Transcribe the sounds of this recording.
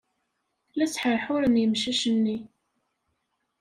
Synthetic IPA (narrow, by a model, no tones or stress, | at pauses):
læsħəɾħʊɾənjəmʃæʃənːi